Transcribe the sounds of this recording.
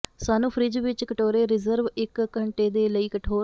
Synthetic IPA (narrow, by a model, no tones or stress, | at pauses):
saːnũːpʰɾɪd͡ʒʋɪt͡ʃkəʈoːɾeːɾɪzəɾʋɪkːəɳʈeːd̪eːləiːkəʈʰoː